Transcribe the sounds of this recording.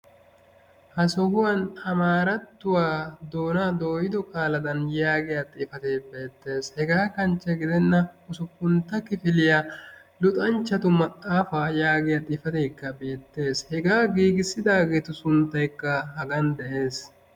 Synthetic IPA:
hɐsɔhʊwɐnɐmaːɾɐt̪ːʊwaːd̪o̞ːnaːd̪o̞ːjɪd̪ɔkʼaːlɐd̪ɐnjaːɡɪjaːt̪ʼɪːfɐt̪eːbe̞ːt̪ːe̞ːshɛɡaːkɐnt͡ʃːɛɡɪd̪ɛnːɐʊsʊkːʊnt̪ːɐkɪfɪlɪja | lʊt̪ʼɐnt͡ʃːɐt̪ʊmɐt̪ʼaːfaːjaːɡɪjat̪ʼɪfɐt̪eːkːɐbe̞ːt̪ːe̞ːshɛɡaːɡiːɡɪsːɪd̪aːɡeːt̪ʊsʊnt̪ːɐjkːɐhɐɡɐnd̪ɛʔe̞ːs

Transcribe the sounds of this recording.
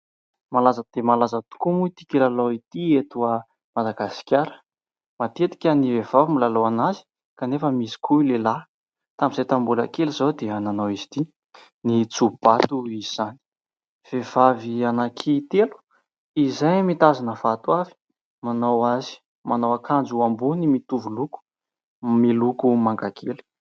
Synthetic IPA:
malazəd̪̥emalazət̪u̥kumut̪i̥kilaloit̪iet̪uə | mad̪aɡasi̥kʲaɾə̥ | mat̪et̪i̥kʲənivev̥avimilaloanazi̥ | kanefəmisi̥kʰuilela | t̪amiz̥ajt̪ambuləkelizad̪eananowizi̥t̪i | nit͡sub̥at̪uiiz̥ani̥ | v̥ev̥avianakʰit̪elu̥ | izajmit̪azinəfat̪wavi̥ | manawazi̥ | manowakʰand͡zuambunimit̪uvuluku̥ | milukumaŋɡakʰelu̥

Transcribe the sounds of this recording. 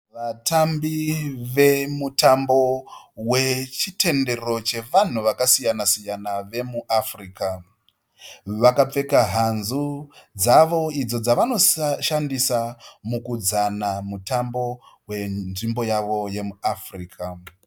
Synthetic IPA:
ʋatʰambiʋe̞mutambo̞we̞t͡ʃite̞nde̞ro̞t͡ʃe̞ʋan̤uʋakasijanasijanaʋe̞muʔafriːka | ʋakap͡fe̞kaɦanzud͡zaʋo̞id͡zo̞d͡zaʋano̞ʃandisamukud͡zanamutambo̞we̞nʐimbo̞jaʋo̞je̞muafriːkʰa

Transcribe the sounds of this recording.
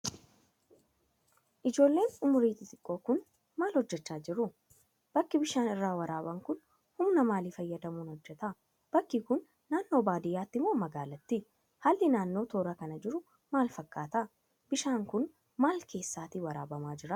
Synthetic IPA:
ʔɪd͡ʒo̞ːlːe̞ːnʊmʊɾiːt̪ɪt̪ʼɪkʼːo̞ːkʊn | maːlhɔd͡ʒːɛt͡ʃːaːd͡ʒɪɾʊ | b̥ɐkːɪbɪʃaːnɪrːaːwɐɾaːbɐŋkʊn | hʊmnɐmaːlifɐjːɐd̪ɐmuːnhɔd͡ʒːɛt̪ɐ | b̥ɐkːɪkʊnː | aːnːo̞ːbaːd̪ɪjaːt̪ːɪmoːmɐɡaːlɐt̪ːɪ | halːɪnaːnːo̞ːt̪oːɾɐkɐnɐd͡ʒɪɾʊ | maːlfɐkːaːt̪ɐ | b̥ɪʃaːŋkʊn | maːlkʰe̞ːsːaːt̪iwɐɾa̰ːbɐmaːd͡ʒɪɾɐ

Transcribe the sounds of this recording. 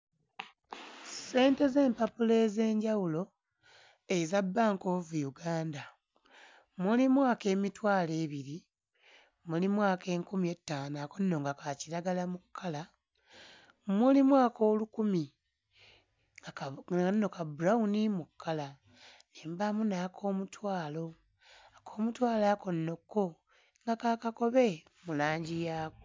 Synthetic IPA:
se̞ːnte̞ze̞ːmpapule̞ze̞ːɲɟawulo̞ | ezabːaːŋko̞vujuɡaːnda | mulimwaːke̞ːmitwaːle̞ːβiɾi | mulimwaːke̞ːŋkumie̞tːaːnaːko̞nːo̞ːŋɡakaciɾaɡalamukʰːala | mulimwaːko̞ːlukumi | ŋannːo̞kabuɾaunimukʰːala | niːmbamunakʰo̞ːmutwaːlo̞ | akʰo̞ːmutwaːlako̞nːo̞kːo | ŋɡakakako̞βe | mulaːɲɟijaːko

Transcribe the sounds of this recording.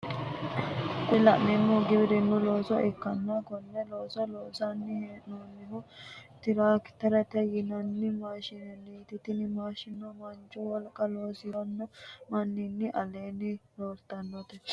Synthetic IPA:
kʼʊlɐʔnɛmːɔɡɪbɪd̪ɛnːɔlo̞ːsɔʔɛkːɐnːɐkɔnːɛlo̞ːsɔlo̞ːsɐnːɪhnoːnːɪɦʊt̪ɪɾaːkt̪ɐɾɐt̪ɛjɪnɐnːɪmaːʃɪnɛniːt̪ɪt̪ɪnɪmaːʃɪnːɔmɐnt͡ʃʼʊwɔlkʼɐlo̞ːsɪɔnːɔmɐnːɪnːɪʔɐleːnːɪɾoːɾt̪ːɐnːɔt̪ɛ

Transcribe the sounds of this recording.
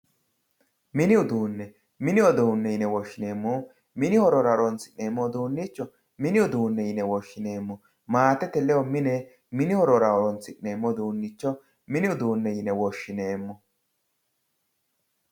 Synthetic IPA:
mɪnɪʊd̪uːnːɛ | mɪnɪɔd̪oʊnːɛjɪnɛwɔʃːɪne̞ːmːo | mɪnɪhɔɾɔɾɐɾɔnt͡sːɪʔneːmːɔd̪uːnːiːt͡ʃːɔ | mɪnɪʊd̪uːnːɛjɪnɛwɔʃːɪne̞ːmːɔ | maːt̪ɛt̪ɛlɛwɔmɪnɛ | mɪnɪhɔɾɔɾaɔɾɔnt͡sːɪʔneːmːɔd̪uːnːɪt͡ʃːɔ | mɪnɪʊd̪uːnːɛjɪnɛwɔʃːɪneːmːɔ

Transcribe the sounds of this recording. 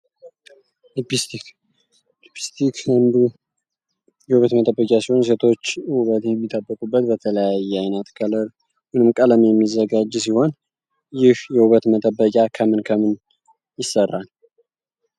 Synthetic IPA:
lpt̪i | lipist̪ikənd̪u | jɛhuβət̪mət̪ʼəbːəkʼasiho̞ns̬e̞t̪ʰo̞t͡ʃːhuβət̪jɛmːit̪ʼːəbːəkʼubːət̪bət̪ʰələjajːɛajnət̪kʰələɾ | mɨnɨmkʼələmjɛmːizːəɡad͡ʒːsiho̞n | jɪhjɛhuβət̪mət̪ʼəbːəkʼjakʰəmɨnkʰəmɨn | jɪsːərːal

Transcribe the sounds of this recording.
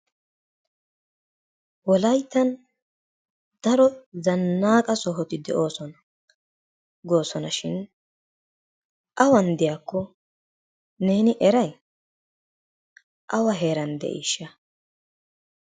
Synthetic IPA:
wɔlɐjt̪ːɐn | d̪̥ɐɾɔzɐnːaːkʼɐsɔɦɔt̪ɪd̪ɛ̰ʔo̞ːsɔnɐ | ɡo̞ːsɔnɐʃɪn | ʔɐwɐnd̪ɪjaːkːɔ | ne̞ːnɪʔɛɾɐj | ʔɐwɐɦe̞ːɾɐnd̪ɛ̰ʔḭʃːɐ

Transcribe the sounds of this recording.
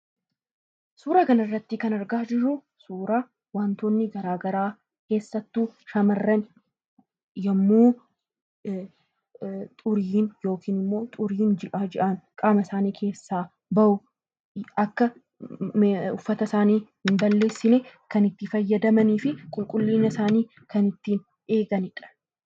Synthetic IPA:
suːɾɐkɐnɐrːɐt̪ːɪkɐnɐɾɡaːd͡ʒɪrːʊ | suːɾa | waːnt̪onːɪɡɐɾaːɡɐɾaː | ke̞ːsːɐt̪ːuːʃɐmɐrːɛn | jɐmːuː | t̪ʼʊɾiːnjo̞ːkʰiːnɪmːo̞ːt̪ʼʊɾiːnd͡ʒɪʔaːd͡ʒɪʔɐnkʼaːmɐsaːniːkʰe̞ːsːaː | bɐʔʊ | ɐkːɐ | ʊfːɐt̪ɐsaːniːhɪmbɐlːe̞ːsːɪnɛkɐnɪt̪ːɪfɐjːɐd̪ɐmɐniːfɪkʼʊlkʼʊlːiːɲɐsaːniː | kɐnɪt̪ːiːn | ʔe̞ːɡɐnɪᶑɐ̥

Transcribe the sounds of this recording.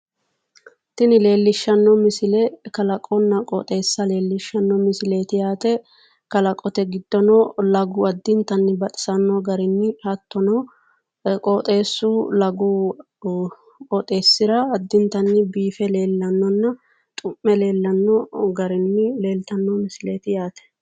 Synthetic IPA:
t̪ɪnɪle̞ːlːɪʃːɐnːɔmɪsɪlɛkɐlɐkʼɔnːɐkʼɔt̪ʼe̞ːsːɐle̞ːlːɪʃːɐnːɔmɪsɪleːt̪ɪjaːt̪ɛ | kɐlɐkʼɔt̪ɛɡɪd̪ːɔnɔlɐɡʊɐd̪ːɪnt̪ɐnːɪbɐt̪ʼɪ̥sɐnːɔɡɐɾɪnːɪhɐt̪ːɔnɔ | kʼoːt̪ʼe̞ːsːuːlɐɡu | kʼɔt̪ʼe̞ːsːɪɾɐːd̪ːɪnt̪ɐnːɪbiːfɛle̞ːlːɐnːɔnːɐ | t̪ʼʊmːɛle̞ːlːɐnːɔɡɐɾɪnːɪle̞ːlt̪ɐnːɔmɪsɪleːt̪ɪjaːt̪ɛ̥

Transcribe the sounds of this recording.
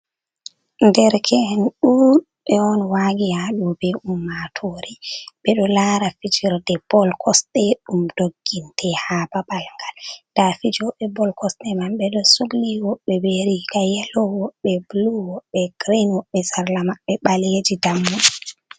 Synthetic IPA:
ndɛɾkʰɛnɗuɗ | ɓɛɔnwaɡijaɗubɛʔumːatʰoːɾɛɓɛɗɔlaːɾafid͡ʒiɾdɛb̥ɔlkʰɔstɛɗumd̥oɡːintʰɛhaːbabalŋɡald̥afid͡ʒɔɓɛbɔlkɔstɛmamɓɛɗɔsuɡliwɔɓːɛbeɾikajɛlɔwɔɓːɛbluwɔɓːɛɡ̥ɾinwɔɓːɛsaɾlamaɓːɛɓaled͡ʒidamːu

